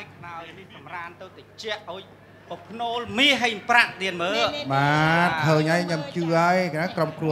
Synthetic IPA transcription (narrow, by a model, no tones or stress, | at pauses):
ajkʰnaɔjnihsɑmraːnt̪ɨwt̪at͡ɕɛ̆əʔːaɔj | pəpʰnoːlmiːɦəjmpraʔɗiənməːɓaːkʰəːɲʔajɲəmt͡ɕɨːʔaəjnakromkruə